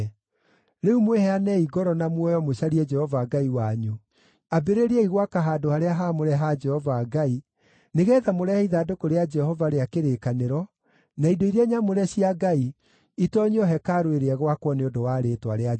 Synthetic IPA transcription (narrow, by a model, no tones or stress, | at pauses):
ɾeumwɛhɛanɛiɡɔɾɔnamwɔjɔmoɕaɾiɛd͡ʒɛhɔvaɡaiwaɲu | abeɾeɾeɛiɣwakaɦaːdohaɾeaɦamoɾɛɦad͡ʒɛhɔvaːɡai | neɣɛːðamoɾɛiðaːdokoɾead͡ʒɛhɔvaɾeakeɾekaneɾɔ | naidoiɾeɛɲamoɾɛɕiaɡai | itɔɲeɔɦɛkaɾoeɾeɛɣwakwɔneondowaːɾetwa̰ɾea